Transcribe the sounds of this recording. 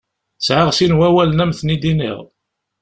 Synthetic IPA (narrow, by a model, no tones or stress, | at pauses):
sʕaʁsinwæwælənæmθnid̪inḭʁ